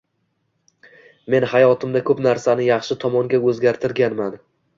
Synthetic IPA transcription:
me̞nhajɒt̪ʰɪmd̪akʰɵpnaɾsanɪjɑχʃɪt̪ʰɒmɒŋɡʲaɵzɡʲaɾt̪ʰɪɾɡʲanman

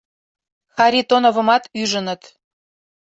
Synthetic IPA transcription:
xɑɾit̪onovə̆mɑt̪yʒənə̆t̪

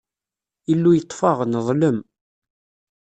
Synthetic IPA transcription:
ilːujət̪ˤːfɑʁnðˤləm

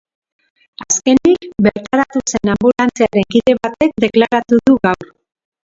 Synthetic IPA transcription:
aske̞nikbe̞ɾt̪aɾat̪use̞nambulant͡seaɾe̞ŋkiðe̞βat̪e̞k̚d̪e̞klaɾat̪uðuɣawɾ

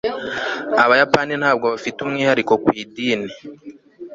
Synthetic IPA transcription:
aβajapaːnin̥haːb̚ɡoβafitumŋiːhaɾiko̞kwiːdiːne

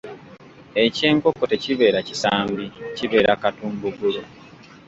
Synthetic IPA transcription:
e̞ce̞ːŋkokːo̞te̞ciβe̞ːɾacisaːmbiciβe̞ːɾakatuːmbuɡulu

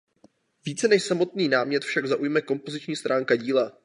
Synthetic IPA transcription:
viːt͡sɛnɛʃsamo̞t̪niːnaːmɲɛt̪fʃaɡzaʔujmɛko̞mpo̞zɪt͡ʃɲiːst̪ɾʔaːŋkaɟiːla

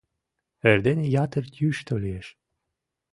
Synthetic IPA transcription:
erd̪enejɑt̪ərt̪ʰjyʃt̪olieʃ

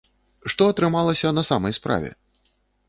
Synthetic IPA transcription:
ʂt̪ɔɐt̪ɾɨmalˠɐsʲɐnɐsamɐjspɾa̰vʲɛ̰

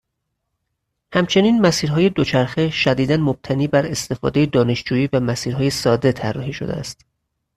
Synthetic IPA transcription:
hæmt͡ʃʰe̞niːnmæsiːɾɦɒːje̞d̪ot͡ʃʰæɾxe̞ʃæd̪iːd̪ænmob̥̚t̪ʰæniːbæɾe̞st̪e̞fɒ̰ːd̪e̞jed̪ɒːne̞ʃd͡ʒuːjiːvæmæsiːɾɦɒːje̞sɒːd̪e̞t̪ʰærːɒɦiːʃo̞̰d̪ḛæ̰st̪

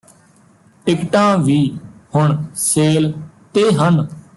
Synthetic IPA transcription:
ʈɪkʈãːʋiːhʊɳseːlt̪eːɦən

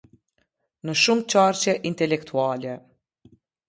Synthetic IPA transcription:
nəʃumt͡ʃaːɾt͡ʃɛʔint̪ɛlɛkt̪ʰuaːlɛ

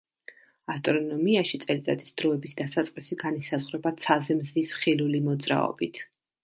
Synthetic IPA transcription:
ast̪ʼɾɔnɔmiaʃit̪sʼɛlit̪ʼad̪ʰi̥sd̪̥ɾɔɛbisd̪asat̪sʼqʼisiɡanisazʁɾɛbat̪sʰazɛmzisχilulimɔd̪zɾa̰ɔ̰bit̪ʰ

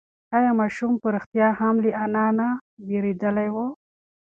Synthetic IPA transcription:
ajamɑʃumpəɾɪxt̪jɑhamliʔanɑnabeɾed̪əlajwo

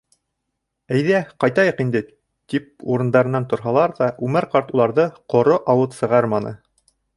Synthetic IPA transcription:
æjðæqɑjt̪ɑjɤqind̪ɘ | t̪ip̚uɾɤ̆nd̪ɑɾɤ̆nːɑnt̪ŏɾɦɑlˠɑɾðɑʔʉmɘɾqɑɾt̪ulˠɑɾðɤqŏɾoʔɑwɤðsɤ̆ʁɑɾmɑnʔɤ̰

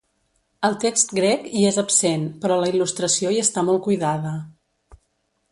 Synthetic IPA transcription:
əlˠt̪ekst̪ɡɾɛkiezəpsenpɾɔləilust̪ɾəsioiəst̪amɔlˠkujðaðə

